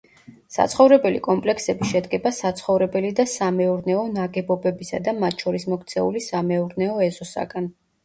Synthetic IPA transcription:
sa̰t̪sʰχɔvɾɛbɛlikʼɔmpʼlɛksɛbiʃɛd̪ɡɛbasat̪sʰχɔvɾɛbɛlid̪asamɛuɾnɛɔnaɡɛbɔbɛbisa̰d̪amat̪ʰʃʰɔɾismɔkt̪sʰɛṵlisamɛuɾnɛɔɛzɔsa̰ɡan

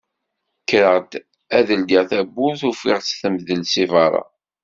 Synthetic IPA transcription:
kːɾəʁt̪ | æðəld̪iʁθæbːʊθufiʁt͡sːθəmðəlsivɑɾˤɑ̰

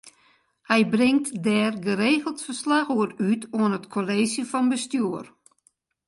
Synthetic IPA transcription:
hɛjbrɪŋtdɛːrɡəɾeːɣəl̩ˠtfərslaxuəɾytuənətkʰoleːsjəfɔnbəstjuər

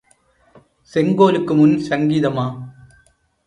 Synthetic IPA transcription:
sɛŋɡoːlɯkːɯmʊnsɐŋɡiːðɐmaː

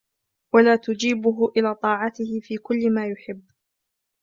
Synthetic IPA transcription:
walaːt̪ʊd͡ʒiːbʊɦʊʔɪlaːt̪ˤɑːʕɑt̪ɪhɪfiːkʊlːɪmaːjʊħɪbː

